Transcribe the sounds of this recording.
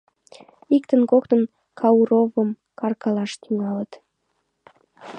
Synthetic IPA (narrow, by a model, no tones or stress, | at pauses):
ikt̪ənkok̚t̪ən | kʰɑuɾovəm | kɑrkɑlɑʃt̪yŋɑlət̪